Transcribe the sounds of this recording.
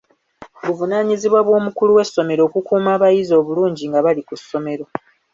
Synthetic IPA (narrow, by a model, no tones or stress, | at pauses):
βuvunaːɲiziβwaβwo̞ːmukuluwe̞sːo̞me̞ɾo̞ːkukuːmaːβajizo̞ːβuluːɲɟiŋɡaβalikusːo̞me̞ɾo̞